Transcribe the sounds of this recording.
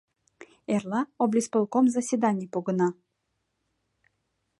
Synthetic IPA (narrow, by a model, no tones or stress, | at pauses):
erlˠɑoblʲispɤ̆lˠkomzɐsʲid̪anʲijpuɡɤ̆nɑ